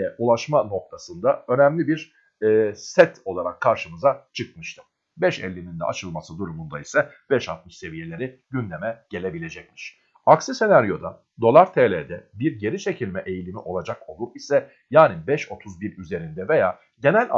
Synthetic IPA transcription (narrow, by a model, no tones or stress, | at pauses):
ɛulˠaʃmano̞k̚t̪ʰasɯnd̪aø̞nɛmlʲibiɾ | ɛːsɛt̪ʰo̞lˠaɾakʰːaɾʃɯmɯzat͡ʃʰɯk̚mɯʃt̪ʰɯm | bɛʃɛ̰lʲːinind̪ɛ̰ʔa̰t͡ʃʰɯlˠmasɯd̪uɾumund̪aisɛ | b̥ɛʃa̰t̪̚mɯʃse̞vije̞lʲe̞ɾiɟynd̪e̞mɛɟ̥e̞lʲe̞bilʲe̞d͡ʒɛc̚mi̥ʃ | aksɯse̞naɾjo̞d̪a | d̪o̞lˠaɾt̪ʰeːlʲeːd̪ɛbiɾɟe̞ɾit͡ʃʰe̞cʰilʲmɛʔe̞jilʲimiʔo̞lˠad͡ʒako̞lˠd̪ukisɛ | jaːnibɛʃo̞t̪ʰuzbiɾyze̞ɾind̪ɛve̞jaː | ɟe̞nælʲ